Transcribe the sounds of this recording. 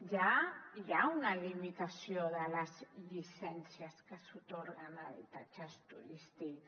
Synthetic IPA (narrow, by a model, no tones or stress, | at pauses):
ʒajaunalimit̪asjoðəlazʎisɛnsiaskəsut̪oɾɣanaβḭt̪at͡ʃast̪uɾist̪ik